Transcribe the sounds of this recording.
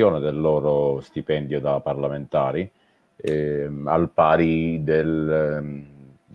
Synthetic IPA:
joːned̪elːɔːɾost̪ipɛnd̪jod̪apːarlament̪aːɾi | a̰lpaːɾid̪el

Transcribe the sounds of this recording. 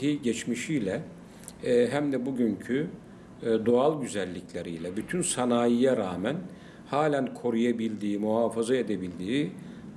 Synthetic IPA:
iɟɛt͡ʃmiʃijlʲɛ | ɦæmd̪ɛbuɟyncʰy | d̪oalˠɟyzælʲːicʰlʲeɾijlʲɛbyt̪ʰynsanaːjijaɾaːmæn | haːlʲænkʰo̞ɾujabilʲd̪iːmuɦaːfazae̞d̪ebilʲd̪iː

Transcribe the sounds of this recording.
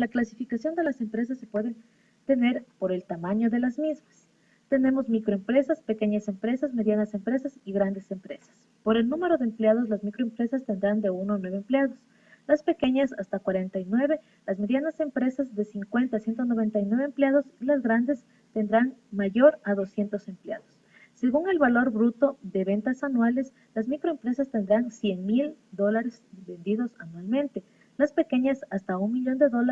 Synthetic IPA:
laklasifikasjo̞nd̪e̞lase̞mpɾe̞s̬asːepwe̞ðe̞n | t̪e̞ne̞ɾpo̞ɾe̞lt̪amãɲo̞ðe̞lazmizmas | t̪e̞ne̞mo̞zmikɾo̞empɾe̞saspe̞ke̞ɲase̞mpɾe̞sazme̞ðjanase̞mpɾe̞sasiɣɾand̪e̞se̞mpɾe̞̰sḁs | po̞ɾe̞lnũme̞ɾo̞ðeːmpljað̞o̞zlazmikɾo̞empɾe̞sast̪e̞nd̪ɾand̪e̞unonwe̞βːmpleaðo̞s | laspe̞ke̞ɲasast̪akwaɾe̞nt̪ajnwe̞βe̞ | lazme̞ðjanase̞mpɾe̞sazðe̞siŋkwe̞nt̪asje̞nt̪̬ono̞β̞e̞nt̪ajnwe̞βeːmpleaðo̞silazɣɾand̪e̞s | t̪e̞nd̪ɾanmaʝo̞ɾaðo̞sje̞nt̪o̞se̞mplea̰ðo̞sː | e̞ɣuŋe̞lβalo̞ɾbɾut̪o̞ðe̞βe̞nt̪asanwale̞s | lazmikɾoempɾe̞sast̪e̞nd̪ɾansje̞nmild̪o̞laɾe̞zbe̞nd̪iðo̞sanwalmẽ̞nt̪e̞ | laspe̞ke̞ɲasast̪aunmiʎo̞nd̪e̞ðo̞la

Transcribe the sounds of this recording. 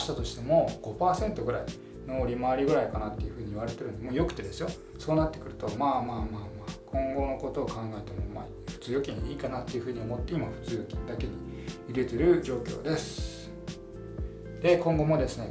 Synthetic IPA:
ɕi̥t̪at̪o̞ɕi̥t̪e̞mo̞ɡ̥o̞paːsẽ̞nt̪o̞ɡɯ̟ɾai | no̞ɾʲimaːɾʲiɡɯ̟ɾaikanat̪ːe̞jɯ̟ɸɯ̟ːɲ̟iiβaɾe̞t̪e̞ɾɯ̟nod̪emoːjo̞kɯ̟̥t̪e̞d̪e̞sɨjo̞ | so̞ːnat̪ːe̞kɯ̟ɾɯ̟t̪o̞maːmaːmaːmaːkʰõ̞ŋɡo̞no̞ko̞t̪o̞ːkãŋɡaet̪e̞mo̞ma̰ː | ɸɯ̟̥t͡sɨːjo̞kʲĩɲiːkanat̪ːe̞jɯ̟ɸɯ̟ːɲ̟io̞mo̞t̪ːeimaɸɯ̟̥t͡sɨːjo̞kʲĩnd̪ake̞ɲ̟i | iɡe̞t̪e̞ɾɯ̟d͡ʑo̞ːkʲo̞̰ːd̪e̞sɨ̥ | d̪̥e̞kõ̞ŋɡo̞mo̞d̪e̞sɨne̞

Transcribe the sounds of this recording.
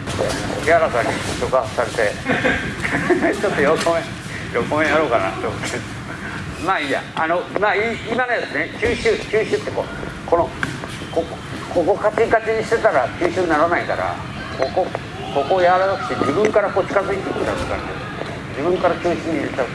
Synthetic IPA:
aotokeaɾakaɲʲioɕokasaɾe̞t̪e̞ | t͡ɕot̪ːojokomẽ | jokomẽjaɾo̞ːkana̰t̪ːoːmot̪ːe | maːiːja̰anomaːiːmano̞jat͡sɨnet͡ɕɨːɕɨːt͡ɕɨːɕɨːt̪ːe̞ko̞̰ː | ko̞no | kok | ko̞ko̞kat͡ɕikat͡ɕiɲ̟iɕi̥t̪e̞t̪aɾat͡ɕɨːɕɨːɲnaɾanaik̪a̰ɾa̰ | koko | ko̞ko̞jaɾat̪akɯ̟̥t̪ːed͡ʑibɯ̟̃ŋkaɾako̞ːt͡ɕi̥kazɨit̪eikt̪ːaɾokã̰ɲd̪e | d͡ʑibɯ̟̃ŋkaɾat͡ɕɨːɕĩɲ̟ːiɾet̪a

